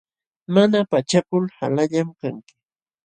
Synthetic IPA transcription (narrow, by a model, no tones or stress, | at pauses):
manapat͡ʃakʊlha̰laʎamkaŋkɪ̥